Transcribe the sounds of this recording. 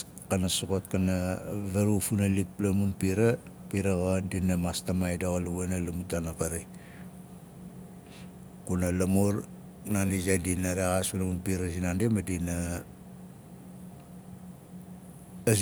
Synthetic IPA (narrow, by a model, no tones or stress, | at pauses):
kanasokot̚kanaβeɾufunalik̚plamunpiɾa | piɾaɣodinamastamajdaɣaluβenalumutanapaɾe | kunalamoɾ | nandizadinaɾeɣaspunamunpiɾasinandemadina